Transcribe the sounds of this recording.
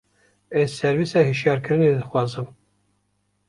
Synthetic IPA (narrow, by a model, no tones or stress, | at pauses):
ɛzsɛɾvisɛhɨʃjɑːɾkʰɨɾɨned̪ɨxwɑːzɨm